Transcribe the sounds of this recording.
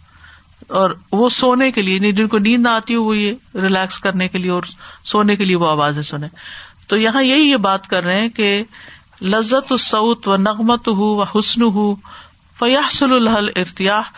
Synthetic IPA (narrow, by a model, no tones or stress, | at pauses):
ɔːɾʋosoːnekeliejɐnĩd͡ʒɪnkonĩːnd̪aːt̪iɦoʋojeɾɪlɛːkskɐɾnekelieɔːɾsoːnekelieʋoaːʋaːzẽsʊnẽːt̪oːjɐɦãjɐɦijebaːt̪kɐɾːɐɦɦɛ̃ke | lɐzːɐt̪sːoːt̪ʋɐnɐɣmɐt̪ʊɦuʋɐħʊsnʊɦu | fɐjɐħsʊllɐɦɐlɪɾt̪ɪjaːħ